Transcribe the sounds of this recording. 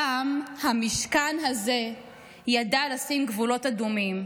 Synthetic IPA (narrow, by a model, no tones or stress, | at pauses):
amhamiʃkanɦaze̞ | jadalasimɡvulo̞tadumim